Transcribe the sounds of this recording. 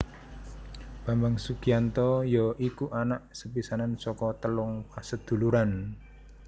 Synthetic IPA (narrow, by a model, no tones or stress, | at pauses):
b̥a̤mbaŋsuɡ̥iant̪ɔjɔʔikuʔanaʔsəpisanansɔkɔt̪əlʊŋpasəd̪̥ṳluɾan